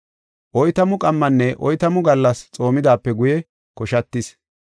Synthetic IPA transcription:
ʔɔjt̪ɐmʊkʼɐmːɐnːɛʔɔjt̪ɐmʊɡɐlːɐst͡sʼo̞ːmɪd̪aːpːɛɡʊjɛ | kɔʃɐt̪ːɪs

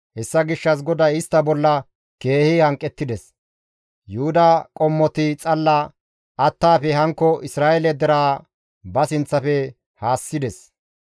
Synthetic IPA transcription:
hɛsːɐɡɪʃːɐs̬ɡɔd̪ɐɪst̪ːɐbɔlːɐ | ke̞ːhɪhɐŋkʼːɛt̪ːɪd̪ɛs | jʊhʊd̪ɐkʼɔmːɔt̪ɪt͡sʼɐlːɐ | ɐt̪ːaːfɛɦɐŋkːɔɪsɾaːʔɛlɛd̪ɛɾaː | bɐsɪnt͡sːɐfɛ | haːsːɪd̪ɛs

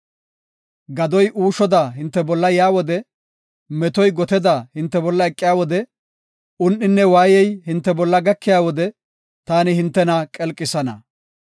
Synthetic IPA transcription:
ɡɐd̪ɔjʔuːʃɔd̪aːɦɪnt̪ːɛbɔlːɐjaːwɔd̪ɛ | mɛt̪ɔjɡɔt̪ɛd̪ahɪnt̪ːɛbɔlːɐɛkʼːɪjaːwɔd̪ɛ | ʊnʔɪnːɛwaːjɛjhɪnt̪ːɛbɔlːɐɡɐkːɪjaːwɔd̪ɛ | t̪aːnɪhɪnt̪ːɛnakʼɛlkʼːɪsɐnɐ

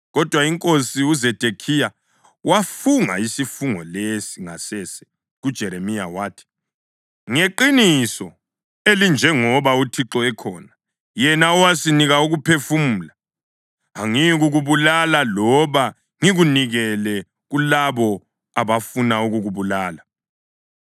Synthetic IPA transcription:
ɣɔd̥ʱwaiŋkʼosiuzed̥ʱekʰija | wafuŋa̰isifuŋɔlesiŋasɛsɛ̥ | ɣud̥ʒ̥ʱɛɾemija̰waːtʰi̥ | ŋeǃinisɔ | elind͡ʒʱɛŋɔβautʰiǁɔɛkʰɔːna | jɛnaɔwasiniɣauɣupʰefum̩ːlaː | ŋiɣuɣuβulalalɔβa | ŋiɣuniɣɛlɛ | ɣulaβɔ | aβafunauɣuɣuβulaːla

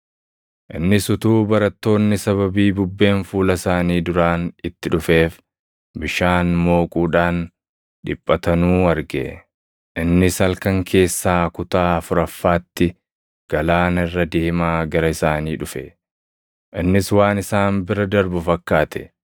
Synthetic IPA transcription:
ʔɪnːɪsʊt̪uːbɐɾɐt̪ːo̞ːnːɪsɐβɐbiːbʊbːe̞ːnfuːlɐsaːniːd̪ʊɾaːnɪt̪ːɪᶑʊfe̞ːf | bɪʃaːnmo̞ːkʼuːᶑaːn | ᶑɪpʼːɐt̪ɐnuːɐɾɡɛ̰ | ʔɪnːɪsɐlkɐŋkʰe̞ːsːaːkʊt̪aːɐfʊɾɐfːaːt̪ːɪ | ɡ̥ɐlaːnɪrːɐd̪ɪhɪmaːɡɐɾɐɪsaːniːᶑʊfɛ | ʔɪnːɪswaːnɪsaːnbɪɾɐd̪ɐɾbʊfɐkːaːt̪ʰɛ̥

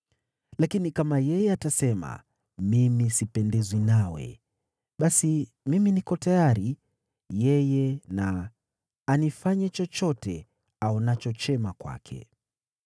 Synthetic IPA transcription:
lakinikamajɛjɛatasɛma̰ | mimisipɛndɛzwinawɛ̰ | ɓasi | miminikɔtajaɾi | jɛjɛnaː | nifaɲɛt͡ʃɔt͡ʃɔtɛ | aɔnat͡ʃɔt͡ʃɛmakwa̰kʰɛ̰

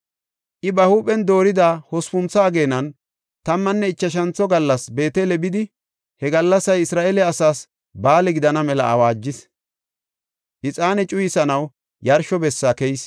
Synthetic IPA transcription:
ʔɪbɐhuːpʼɛnd̪o̞ːɾɪd̪aːhɔspʊnt͡sːɐːɡe̞ːnɐn | t̪ɐmːɐnːɛɪt͡ʃːɐʃ̬ɐnt͡sːɔɡɐlːɐsbe̞ːt̪elɛbɪd̪ɪ | hɛɡɐlːɐsɐjɪsɾaːʔelɛɐsaːs | baːlɛɡɪd̪ɐnɐmɛlɐ̰ʔɐ̰waːd͡ʒːɪs | ʔɪt͡sʼaːnɛt͡ʃʼʊjɪsɐnɐw | jɐɾʃɔbɛsːakɛjs

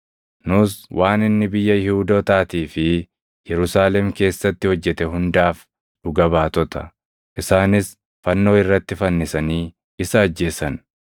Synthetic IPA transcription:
nʊswʔaːnɪnːɪbɪjːɐjɪhuːd̪oːt̪aːt̪iːfɪ | jɛɾʊsaːlɛmke̞ːsːɐt̪ːɪhɔd͡ʒːɛt̪ɛɦʊnd̪aːf | ᶑʊɡɐbaːt̪ɔt̪ɐ | ʔɪsaːnɪs | fɐnːo̞ːɪrːɐt̪ːɪfɐnːɪsɐniː | ɪsɐːd͡ʒːe̞ːsɐn

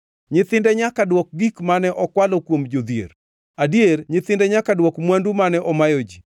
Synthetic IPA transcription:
ɲɪt̪ɪndɛɲakadwɔk̚ɡikmanɛʔɔkwalɔkwomd͡ʒod̪ijḛr | adierɲɪt̪ɪndɛɲakadwɔkmwandumanɛʔɔmajod͡ʒi

